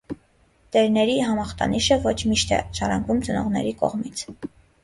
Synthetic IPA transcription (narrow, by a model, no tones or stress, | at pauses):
d̪̥ɛɾnɛɾiɦɑmɑχt̪ɑ̰niʃəvɔt͡ʃʰmiʃt̪ʰɛ̰ʃɑɾɑŋɡumt͡sənɔʁnɛ̰ɾikɔ̰ʁmit͡sʰ